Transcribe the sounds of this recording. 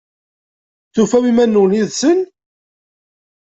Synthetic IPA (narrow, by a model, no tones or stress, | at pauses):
θufæwimænːuwniðsən